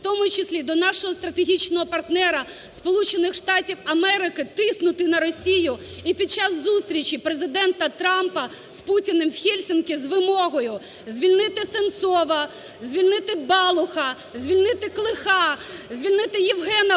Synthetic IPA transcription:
t̪ɔmʊt͡ʃɪsʲlʲid̪ɔnɑʃɔɦɔst̪ɾɐt̪eɦʲit͡ʃnɔɦɔpɐrt̪nɛɾɐspɔlˠut͡ʃenɪxʃt̪ɑtʲiwɐmɛɾɪkɪt̪ɪsnʊt̪ɪnɐɾɔsʲijʊipʲid̪̚t͡ʃɑzːust̪ɾʲit͡ʃipɾezɪd̪ɛnt̪ɐt̪ɾɑmpɐ | sputʲinemwxʲilʲsʲɪnkʲizʋɪmɔɦɔjʊ | zʲʋʲilʲnɪt̪ɪsensɔʋɐ | zʲʋʲilʲnɪt̪ɪbɑlˠʊxɐ | zʲʋʲilʲnɪt̪ɪklˠɪxɑzʲʋʲilʲnɪt̪ɪjiwɦɛnɐ

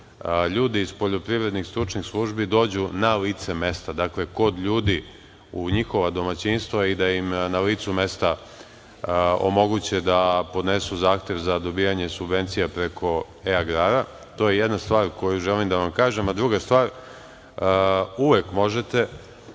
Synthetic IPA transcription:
ʎuːd̪iːzpo̞ʎo̞pɾiʋɾe̞d̪nixst̪ɾut͡ʃnixslˠuʒbid̪o̞ːd͡ʑunaliːt̪se̞me̞st̪ad̪akle̞ko̞d̪ʎuːd̪i | uɲixo̞ʋad̪o̞mat͡ɕinst̪ʋaid̪aimnaliːt̪sume̞st̪a | o̞̰mo̞ɡut͡ɕed̪apo̞d̪nesuzaːxt̪ʲje̞ʋzad̪o̞bijaɲe̞subʋe̞nt̪sijapɾe̞kʰo̞ | eaɡɾaɾa | t̪o̞jejed̪nast̪ʋaːɾko̞juʒelimd̪aʋamkaːʒemad̪ɾuɡast̪ʋaːɾ | uʋe̞kmo̞ʒet̪e̞

